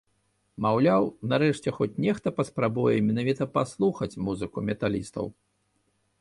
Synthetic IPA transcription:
mawlʲawnaɾɛʂt͡sʲɛxɔt͡sʲnʲɛxt̪ɐpɐspɾabujɛmʲɛnavʲit̪ɐpaslˠuxɐt͡sʲmuzɨkumʲɛt̪alʲist̪ɐ̰w

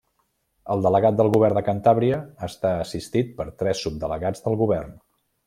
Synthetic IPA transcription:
əlˠd̪ələɣat̪̚d̪əlˠɣuβɛrd̪əkənt̪aβɾiəːst̪aəsist̪it̪̚pəɾt̪ɾɛsːub̚d̪ələɣad͡zðəlˠɣuβɛrn

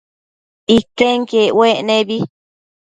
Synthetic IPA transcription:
ikeŋkeweʔnẽβi

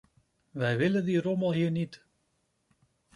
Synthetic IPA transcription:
ʋɛjʋɪlədiroməlˠɦiːəɹnit

